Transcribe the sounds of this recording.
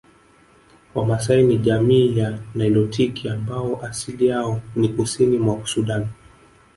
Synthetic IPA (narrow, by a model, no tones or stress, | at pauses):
wamasainiʄamiːjanailɔtʰikiambaɔʔasilijaɔnikusinimwasuɗan